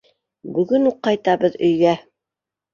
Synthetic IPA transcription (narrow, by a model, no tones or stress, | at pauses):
bɵ̆ɡɵnuqːɑjt̪ɑβɤðɵ̆jɡæ